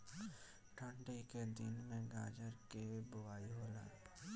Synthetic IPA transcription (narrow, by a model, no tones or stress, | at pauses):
ʈʰə̃ɳɖiked̪ɪnmẽɡaːd͡ʒəɾkebʊʋaːiɦoːla̰ː